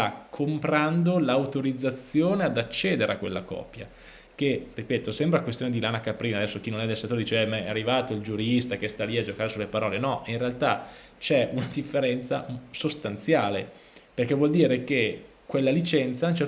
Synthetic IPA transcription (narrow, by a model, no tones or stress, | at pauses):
akʰːompɾand̪olawt̪oɾid̪zːat̪sːjoːnead̪at͡ʃːeːd̪eɾḛa̰kːwelːa̰kɔ̰ːpja̰ | k̟eripeːt̪osɛmbɾakwest̪joned̪ilaːnakapɾiːnad̪ɛsːok̟inonɛd̪elset̪ːoɾd̪it͡ʃeɛmaɛarːivaːt̪oild͡ʒuɾist̪ak̟est̪aliad͡ʒokaɾesulːepaɾɔːlenɔinrealt̪a | t͡ʃɛunad̪ifːeɾɛnt̪sa̰sost̪ant̪sjaːle | perkɛvwɔld̪iːɾek̟e | kwelːalit͡ʃɛnt̪saunt͡ʃɛr